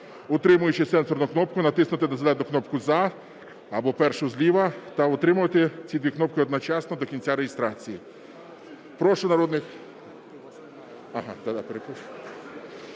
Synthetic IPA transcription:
ʊt̪ɾɪmʊjʊt͡ʃɪsɛnsɔɾnʊknɔp̚kʊnɐt̪ɪsnʊt̪ɪnɐzɐlɛd̪nʊknɔp̚kʊzɐ | ɐbɔpɛɾrʃʊzʲlʲiʋɐt̪ɐʊt̪ɾɪmʊʋɐt̪ɪt͡sʲid̪ʋʲiknɔp̚kɪɔd̪nɔt͡ʃɑsnɔd̪ɔkʲinʲt͡sʲaɾejɪst̪ɾɑt͡sʲiji | pɾɔʃʊnɐɾɔd̪nɪx | ɐɦɑd̪ad̪apɾepɔ

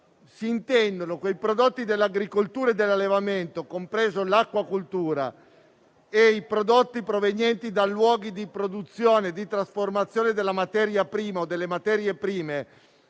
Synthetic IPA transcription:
siːnt̪ɛnd̪onokwejpɾod̪ot̪ːid̪elːaɡɾikolt̪uːɾaed̪ːelːalːevament̪okompɾeːzolakːwakult̪uːɾa̰ | eipɾod̪ot̪ːipɾovenjɛnt̪id̪alːwɔːɡid̪ipɾod̪ut̪sːjoːned̪it̪ɾasformat̪sːjoːned̪elːamat̪ɛɾjapɾiːmaod̪elːemat̪ɛːɾjepɾiːme

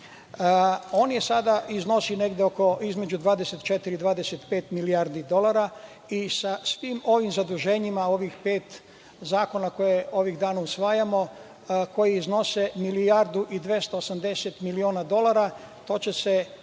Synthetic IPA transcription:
o̞ːnjesad̪aizno̞sine̞ɡd̪eoko̞izme̞d͡ʑud̪ʋaːd̪eset̪t͡ʃe̞t̪iɾid̪ʋaːd̪eset̪pe̞ːt̪miliaɾd̪id̪o̞laɾa | isasʋimo̞ʋimzad̪uʒe̞ːɲimao̞ʋixpe̞ːt̪ | zaːko̞nako̞jeo̞ʋiɣd̪aːnausʋaːjamo̞ | ko̞jiizno̞se̞milijaɾd̪uʔid̪ʋje̞st̪oːsamd̪e̞set̪milioːnad̪o̞lˠaɾa | t̪o̞ːt͡ɕe̞se

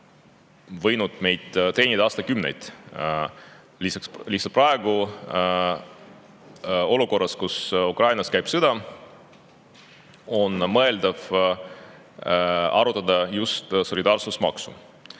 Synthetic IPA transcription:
vɤjnud̪̥me̞jd̪̥t̪e̞ːnʲid̪ɑɑːst̪ɑkymnḛjd̪̥ | lisɑkslihsɑprɑeɡ̥u | o̞luko̞rːɑskusukrɑjnɑskæjb̥sɤd̪̥ɑ | o̞nmɤe̞ld̪̥ɑv | ɑ̰ɾut̪ːˑɑd̪ɑjust̪so̞lʲid̪ɑːrsusmɑ̰ksṵ

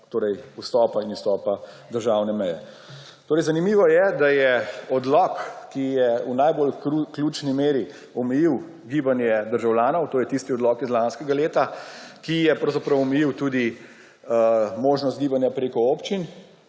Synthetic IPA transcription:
t̪oːɾɛjust̪ɔːpainust̪ɔːpa | d̪əɾʒaːwnɛmɛjɛ | t̪oːɾɛjzanimiːʋɔjɛd̪ajɛɔd̪lɔkkːijɛunajbolukluːt͡ʃnimeːɾi | ɔmɛjiw | ɡiːbanjɛd̪əɾʒawljaːnɔwt̪oːjɛt̪ist̪iɔd̪lɔkizlanskɛɡaleːt̪akijɛpɾɔwzapɾɐwɔmɛjiwt̪uːd̪i | moːʒnɔst̪ɡiːbanjapɾeːkɔoːpt͡ʃin

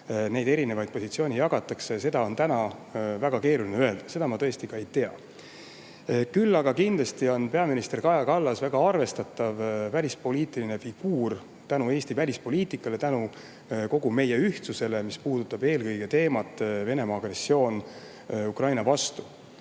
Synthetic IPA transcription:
ne̞jd̪e̞ɾine̞vɑjd̪̚po̞sit̪sio̞ːnʲijɑɡ̥ɑt̪ːˑɑksese̞d̪ɑo̞nt̪ænɑvæɡ̥ɑke̞ːɾulineø̞e̞ld̪̥ɑ̥se̞d̪̥ɑmɑt̪ɤest̪ikɑe̞jt̪e̞ɑ̰ | kylːɑɡɑkind̪lɑst̪io̞npe̞ɑminist̪e̞rkɑjɑkɑlːɑsvæɡ̥ɑɑrve̞st̪ɑt̪ːˑɑvvælʲispo̞liːt̪ˑiline̞fiɡ̥uːr | t̪ænue̞ːst̪ivælʲispo̞lʲiːt̪ˑikːˑɑle̞t̪ænu | ko̞ɡ̥ume̞je̞yht̪suse̞le̞mispuːd̪̥ut̪ːˑɑb̥e̞ːlkɤ̞jɡ̥e̞t̪e̞ːmɑt̪ːˑve̞ne̞mɑːɡ̥re̞sːio̞ːn | ukrɑjnɑvɑst̪u

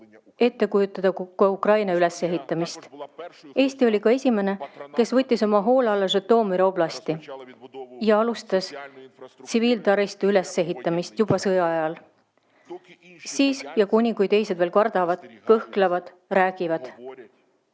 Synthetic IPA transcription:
e̞t̪ːe̞kujut̪ːˑɑd̪̥ɑkɑukrɑjnɑyle̞sːe̞ɦit̪ːˑɑmist̪ | e̞ːst̪io̞lʲikɑe̞sʲime̞ne̞ke̞svɤt̪ʲːiso̞mɑɦo̞ːleɑlːɑs̬yt̪ːo̞ːmiɾoblɑst̪i | jɑɑlust̪ɑs | t̪siviːlt̪ɑɾist̪eyle̞sːe̞ɦit̪ːˑɑmist̪jub̥ɑsɤjɑɑjɑl | siːsjɑkunʲiŋɡujd̪e̞jsed̪veːlkɑrd̪̥ɑvɑd̪̥kɤhklɑvɑd̪̥ | ræːɡ̥ivɑd̪̥

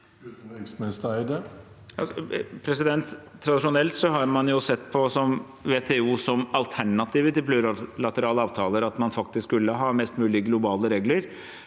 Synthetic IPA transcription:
t̪ɪksmɪnɪst̪æɪd̪ɛ | ɑpʰɾɛsɪd̪ɛnt̪ʰːɾɑd̪ɪʂʊnɛlt̪sɔɦɑɾmɑnjʊsɛt̪ːpʰɔsɔm | ʋeːt̪ʰeːuːsɔmɑlt̪ʰæɳɑt̪ʰiːʋət̪ɪlpʰlʉːɾlɑt̪əɾɑːləɑːʋt̪ʰɑːləɾɑt̪mɑnfɑk̚t̪ɪskːkʉlːəɦɑːmɛst̪mʉːlɪəɡlʊbɑːləɾeːɡləɾ

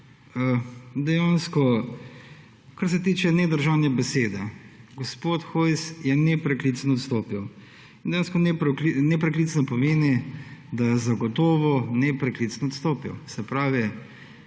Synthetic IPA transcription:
əd̪ɛjanskɔ | kaɾs̬ɛt̪iːt͡ʃɛnɛd̪əɾʒaːwnɛbɛseːd̪ɛɡɔspoːt̪xojsjɛnɛpɾɛklit̪snɔt̪st̪oːpiw | ind̪ɛjanskɔnɛpɾɛklinɛpɾɛklisnɔpɔmeːnid̪ajɛzaɡɔt̪oːʋɔnɛpɾɛklit̪snɔt̪st̪oːpḭwsɛpɾaːʋi

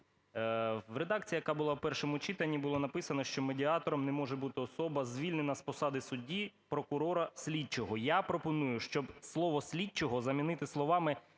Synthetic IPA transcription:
ʋred̪ɑkt͡sʲijɐkɑbʊlˠɑwpɛrʃɔmʊt͡ʃɪt̪ɐnʲːibʊlˠɔnɐpɪsɐnɔʃt͡ʃɔmedʲiɑt̪ɔɾɔmnɛmɔʒɛbut̪ɪɔsɔbɐzʲʋʲilʲnenɐspɔsɑd̪ɪsʊdʲipɾɔkʊɾɔɾɐsʲlʲit͡ʃɔɦɔjapɾɔpɔnujʊʃt͡ʃɔbslˠɔʋɔsʲlʲit͡ʃːɔɦɔzɐmʲinɪt̪ɪslˠɔʋɑmɪ

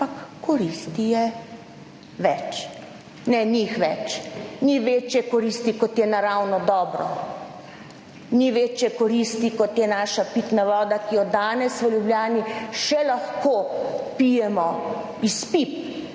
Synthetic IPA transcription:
pakːɔɾist̪ijɛ | ʋɛt͡ʃ | nɛnixʋɛt͡ʃniʋeːt͡ʃjɛkɔɾist̪ikɔt̪jɛnaɾawnɔd̪ɔːbɾɔ̰ | niʋeːt͡ʃjɛkɔɾist̪ikɔt̪jɛnaːʃapit̪naʋɔːd̪akijɔd̪aːnɛsʋəljubljaːniʃɛlaxkoːpijɛmɔ | ispip̚

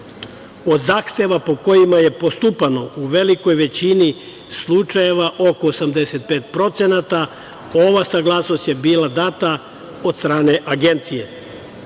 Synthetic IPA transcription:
o̞d̪zaːxt̪e̞ʋapo̞ko̞jimaje̞po̞st̪upano̞uʋe̞liko̞jʋe̞t͡ɕini | slˠut͡ʃaje̞ʋaʔo̞ko̞ːsamd̪eset̪̚peːt̪pɾo̞t̪se̞nat̪a | o̞ʋasaɡlˠasno̞st̪jebiːlad̪aːt̪a | od̪st̪ɾaːne̞ʔaɡe̞nt̪sije̞

